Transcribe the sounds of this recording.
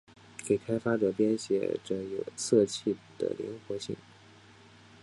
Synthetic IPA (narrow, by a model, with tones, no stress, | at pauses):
ke˨˩ɪkʰa˥ɪfa˥ʈ͡ʂɤ˨˩pjɛ˥nɕjɛ˧˥ʈ͡ʂɤ̰˥˩njo˨˩ʊsɤ˥˧t͡ɕʰi˥˩pu˨˩d̪̥ə̰˧˩lḭ˧˥nxwɔ˧˥ɕḭ˥˩ŋ